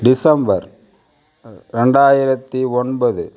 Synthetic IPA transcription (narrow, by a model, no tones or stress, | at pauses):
ɖɪsɐmbɐɾ | ɾɛɳɖaːjɪɾɐt̪ːiɔnbɐðɯ